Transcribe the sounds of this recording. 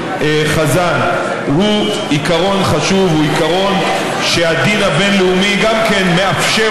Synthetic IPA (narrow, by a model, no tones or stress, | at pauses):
eχazan | hu | ikaʁo̞nχaʃuvuikaʁo̞n | ʃehad̪inhabe̞nleumiɡamke̞nme̞ʔafʃe